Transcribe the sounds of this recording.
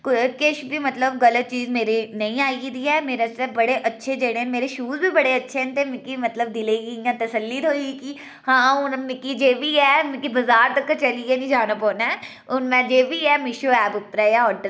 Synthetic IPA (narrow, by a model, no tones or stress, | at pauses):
kkɪʃbʱiːmət̪ləbɣələt̪̚t͡ʃiːzmeːɾinɐĩːaːid̪iɛːmeːɾasɛbɐɽeʔətːʃʰed͡ʒeːɽemeːɾeʃuːzbʱiːbəɽeətːʃʰẽnt̪emɪ̃kimət̪ləbd̪ɪleːɡijãːt̪əsəlːiːd̪ɦoːikiː | hãːʊnmɪ̃kid͡ʒeːbʱiɛːmɪ̃kibɐzaːɾt̪əkːt͡ʃəliɛnĩːd͡ʒaːnaːpɔːnɛː | ʊnmɛ̃ːd͡ʒeːbʱiɛːmɪʃoːɛːpʊpɾɛjãːɔːʈəɾ